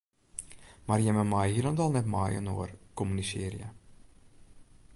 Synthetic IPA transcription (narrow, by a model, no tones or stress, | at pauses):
marjɛməmɑːjɦilɔntɑlˠnɛtmɑːjə̰no̰ːərkɔmynisɪ̰ːrjə̰